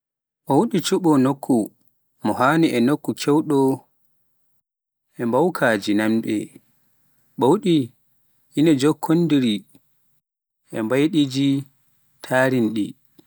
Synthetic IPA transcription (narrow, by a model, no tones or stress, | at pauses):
ʔɔwuɗit͡ʃuɓɔnokʰːu | mɔɦaːniʔɛnokːukʰɛwɗɔ | ʔɛmbawkʰaːd͡ʒinamɓɛ̰ | ɓɔwuɗi | inɛd͡ʒokʰːondiɾi | ʔɛmbajɗid͡ʒi | tʰaːɾinɗḭ